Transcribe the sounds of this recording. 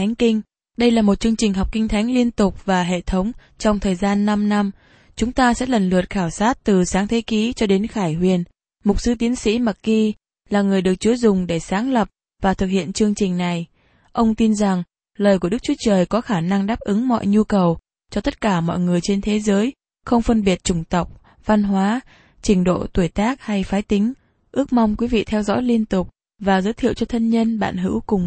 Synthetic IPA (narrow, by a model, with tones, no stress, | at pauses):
a˨˦ŋ̟kï˧ŋ̟ | ɗə˧jlaː˨˩mo˨˩t̚t͡ɕɨ˧əŋt͡ɕï˨˩ŋ̟ɦɔ˨˩wk͡p̚kï˧ŋ̟t̪ʰa˨˦jŋ̟li˧ənt̪ʊ˨˩k͡p̚vaː˨˩ɦḛ˧˨t̪ʰə˨˦wŋ͡m | t͡ɕɔ˧wŋ͡mt̪ʰəː˨˩jzaː˧nːa˧mna˧m | t͡ɕʊ˨˦ŋ͡mt̪aː˧sɛ̰˧˥lə˨˩nlɨ̰˨˩ət̚xaː˧˩wsaː˦˥t̚t̪ɨ˨˩saː˨˦ŋt̪ʰe˨˦ki˨˦t͡ɕɔ˧ɗe˨˦nxaː˧˩jɦwi˨˩ən | mʊ˨˩k͡p̚sɨ˨˦t̪i˨˦ənsḭ˧˥ma˨˩t̚kːi˧ | laː˨˩ŋɨ˨˩əjɗɨ˨˩ək̚t͡ɕu˨˦zʊ˨˩ŋ͡mɗe˧˩saː˨˦ŋlə˨˩p̚ | vaː˨˩t̪ʰɨ˨˩k̚hḭ˧˨ənt͡ɕɨ˧əŋt͡ɕï˨˩ŋ̟na˨˩j | ʔə˧wŋ͡mt̪i˧nza˨˩ŋ | ləː˨˩jk̬u˧˩əɗk̚t͡ɕu˨˦t͡ɕəː˨˩jkɔ˨˦xaː˧˩na˧ŋɗaː˦˥p̚ʔɨ˨˦ŋmɔ̰˧˨jɲu˧kə˨˩w | t͡ɕɔ˧t̪ə˦˥t̚kaː˧˩mɔ̰˧˨jŋɨ˨˩əjt͡ɕe˧nt̪ʰe˨˦zəː˨˦j | xə˧wŋ͡mfə˧nɓi˨˩ət̚t͡ɕʊ˧˩ŋ͡mt̪ə˨˩wk͡p̚ | va˧nɦwaː˨˦ | t͡ɕï˧˩ŋ̟ɗo̰˧˨t̪u˧˩əjt̪aː˦˥k̚ha˧jfaː˨˦jt̪ï˨˦ŋ̟ | ʔɨ˦˥ək̚ma˧wŋ͡mkwi˨˦vḭ˧˨t̪ʰɛ˧wzɔ̰˧˥jli˧ənt̪ʊ˨˩k͡p̚ | vaː˨˩zəː˨˦jt̪ʰḭ˧˨əwt͡ɕɔ˧t̪ʰə˧nɲə˧nɓa̰ː˧˨nɦɨ̰˧˥wkʊ˨˩ŋ͡m